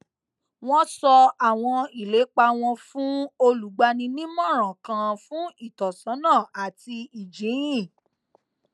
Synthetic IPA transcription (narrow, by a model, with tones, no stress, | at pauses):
w̃ɔ̃˦sɔ˧a˨w̃ɔ̃˧i˨le˨˦k͡pa˧w̃ɔ̃˧fũ˦o˧lu˨˦ɡ͡ba˧nĩ˧nĩ˦mɔ̃˦˨ɾ̃ã˨kã˧fũ˦i˦˨tɔ˨sã˨˦nãː˦˨a˨ti˧i˨d͡ʒĩ˨˦ĩ˦˨